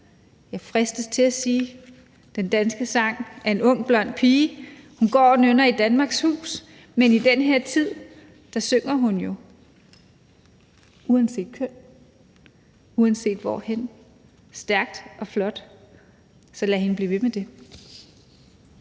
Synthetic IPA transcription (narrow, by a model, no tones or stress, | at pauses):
jɑ̈ɪfʁɛsd̥əst͡sʰe̝læsiː | d̥end̥ænsɡ̥əsɑ̈ŋ̰æɐe̝nɔ̽ŋ̰b̥lɒ̽n̰d̥̚pʰiːhunɡ̥ɒ̰ːɒnønɐid̥ænmɑ̈ːɡ̥shṵːs | menid̥enɦeɐ̰t͡sʰið̰ˠ | d̥ɑ̈søŋ̰ɐɦunjo̝ | uɛnse̝̰ːd̥kʰøn̰ | uɛnse̝̰ːd̥ʋɒ̰hen | sd̥æɐɡ̥̚d̥ʔɒ̽flɒ̽d̥ | sɒ̽læhe̝nəb̥liːʋe̝med̥e̝